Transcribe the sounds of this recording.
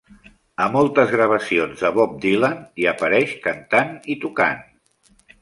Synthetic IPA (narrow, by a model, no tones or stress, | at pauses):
əmɔlˠt̪əzɣɾəβ̞əsionzðəβɔp̚d̪ilaniəpəɾɛʃkənt̪anit̪uka̰n